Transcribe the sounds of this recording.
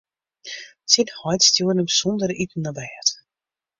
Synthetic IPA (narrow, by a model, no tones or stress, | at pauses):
sinhɔjtstjuənəbəsɔndəɾytn̩ːabɛːət